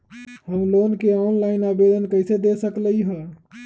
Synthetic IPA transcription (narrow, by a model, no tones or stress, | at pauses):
həmlonkeɔnlaɪnabed̪ənkəɪsed̪esəkləiɦə